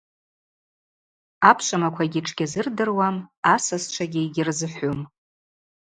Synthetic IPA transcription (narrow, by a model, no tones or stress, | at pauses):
apʰʃʷamakʷʰaɡʲiʈ͡ʂʰʼɡʲazɨrdɨrwamasast͡ʃʷʰaɡʲiiɡʲɪrzɨħʷʊm